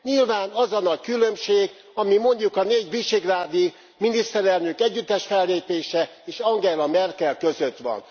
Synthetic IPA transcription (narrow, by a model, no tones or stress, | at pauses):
ɲilvaːnɒzɒnɒckylø̞mʃeːɡ | ɒmimo̞ɲɟukɒneːɟʋiʃeɡraːd̪i | minist̪ɛɾɛlnøkɛɟːyt̪ːɛʃfɛlːeːpeːʃɛ | eːʃɒŋɡɛlɒmɛrkɛlkø̞zøt̪ʋɒ̰n